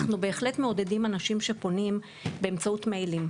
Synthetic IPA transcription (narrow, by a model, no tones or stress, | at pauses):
χnube̞ːχle̞tmeo̞de̞dimanaʃimʃe̞po̞nim | be̞emt͡sautmejlim